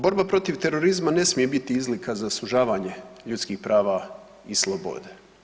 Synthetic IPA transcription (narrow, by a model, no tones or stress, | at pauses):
bo̞ɾbapɾo̞t̪iʋt̪e̞ɾo̞ɾizmane̞smije̞bit̪iizlikʰazasuʒaːʋaːɲe̞ʎut̪skiːxpɾaːʋa | islˠobo̰d̪e